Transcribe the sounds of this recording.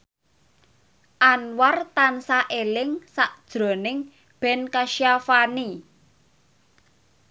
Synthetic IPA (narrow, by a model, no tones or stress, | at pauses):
ʔanwart̪ansaʔelɪŋsaʔd̥ʒ̥ɾo̤nɪŋ | b̥ɛ̤nkaʃiafani